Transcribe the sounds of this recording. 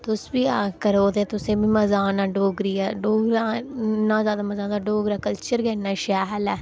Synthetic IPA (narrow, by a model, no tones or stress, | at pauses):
t̪ʊsbiːaːkəɾoːd̪eːt̪ʊsẽːbiːməzaːnaːɖoːɡɾiːɛːɖoːɡɾaːnãːzjaːd̪aːməzãːnd̪aɖoːɡɾaːkəlt͡ʃəɾɡɛːnãːʃɛːɦlɛː